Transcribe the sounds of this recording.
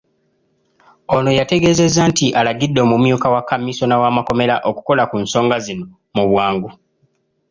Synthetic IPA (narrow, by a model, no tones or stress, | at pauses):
o̞no̞jate̞ɡe̞ːze̞zːantiʔalaɡidːoːmumjuːkawakːamːiso̞nawaːmako̞me̞laʔo̞ku̥ko̞lakunso̞ːŋɡazino̞ | muβwaːŋɡu